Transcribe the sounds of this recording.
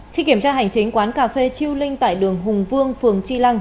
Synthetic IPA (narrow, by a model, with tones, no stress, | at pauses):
xi˧ki˧˩əmt͡ɕaː˧ɦa˨˩jŋ̟t͡ɕï˨˦ŋ̟kwaː˨˦nkaː˧fe˧t͡ɕi˧əwlï˧ŋ̟t̪a̰ː˧˨jɗɨ˨˩əŋɦʊ˨˩ŋ͡mvɨ˧əŋfɨ˨˩əŋt͡ɕi˧la˧ŋ